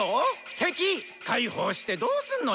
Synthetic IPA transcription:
ot̪ʰe̞kʲi | kaiho̞ːɕi̥t̪e̞d̪o̞ːsɨ̃nːo

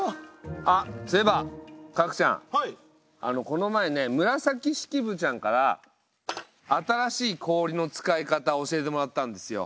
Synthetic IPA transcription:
asebakakɯ̟̥t͡ɕã̰ŋ | a̰no̞ko̞no̞maene̞mɯ̟ɾasakʲiɕi̥kʲibɯ̟t͡ɕãŋkaɾa̰ | t̪aɾaɕiːkʰo̞ːɾʲino̞t͡sɨ̥kaekat̪ao̞ɕie̞t̪̬e̞mo̞ɾat̪ːãnd̪e̞̥sɨjo̞̰

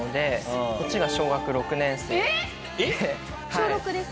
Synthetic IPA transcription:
od̪ẽ̞ko̞t͡ɕiɡaɕo̞ːɡakɯ̟ɾo̞kɯ̟nẽ̞ɰ̃se | ht͡ɕaoːɾokɯ̟d̪es

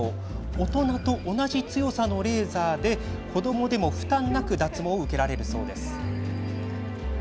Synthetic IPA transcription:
o | ot̪o̞nat̪o̞ʔːnaʑit͡sɨjo̞sano̞ɾe̞ːzaːd̪e̞kʰo̞d̪o̞mo̞d̪e̞mo̞ɸɯ̟̥t̪ãnːakɯ̟d̪at͡sɨmo̞ɯ̟ke̞ɾaɾe̞ɾɯ̟so̞ːd̪e̞sɨ̥

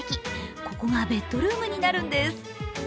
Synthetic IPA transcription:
kʲiko̞ko̞ɡabe̞t̪ːo̞ɾɯ̟ːmɯ̟ɲ̟inaɾɯ̟̃nd̪e̞sɨ̥

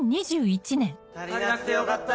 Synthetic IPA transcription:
ɲiʑɨːit͡ɕinẽŋ

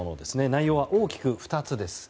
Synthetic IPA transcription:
ono̞d̪e̞sɨne̞naijo̞ːβ̞aʔo̞ːkʲi̥kɯ̟ɸɯ̥t̪at͡sɨd̪e̞sɨ̥

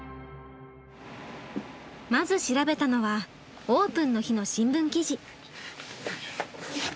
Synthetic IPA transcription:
mazɨɕiɾabe̞t̪ano̞βa | oːpɯ̟̃nːo̞çino̞ɕĩmbɯ̟̃ŋkʲiʑi

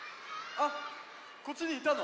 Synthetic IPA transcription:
a | ko̞t͡ɕːiɲiit̪ano

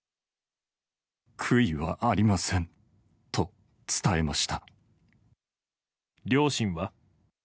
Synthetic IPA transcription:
kʰɯ̟iβa̰ʔaɾʲimasẽ̞n | t̪o̞ | t͡sɨ̥t̪aemaɕi̥t̪a | ɾʲo̞ːɕĩɰ̃βa

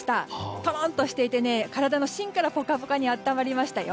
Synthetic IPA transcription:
i̥t̪at̪oɾãnt̪o̞ɕi̥t̪e̞it̪e̞ne̞kaɾad̪ano̞ɕĩŋkaɾapo̞kapokaɲ̟iat̪ːamaɾʲimaɕi̥t̪ajo

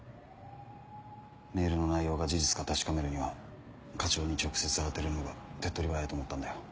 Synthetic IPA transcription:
me̞ːɾɯ̟no̞naijo̞ːɡad͡ʑiʑit͡sɨ̥kat̪aɕi̥kame̞ɾɯ̟ɲ̟iβa | kat͡ɕo̞ːɲ̟it͡ɕo̞kɯ̟̥se̞t͡sɨ̥aɾet̪e̞ɾɯ̟noɡat̪e̞t̪ːo̞ɾʲibaait̪oːmot̪ːand̪ajo

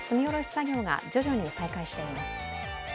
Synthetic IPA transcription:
t͡sɨmʲio̞ɾo̞ɕʲi̥saɡʲo̞ːŋa̰d͡ʑo̞ʑo̞ɲ̟isaikaiɕi̥t̪e̞oɾimasɨ̥

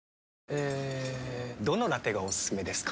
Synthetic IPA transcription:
eː | d̪o̞noɾat̪e̞ɡaosɨ̥sɨme̞d̪e̞sɨ̥k

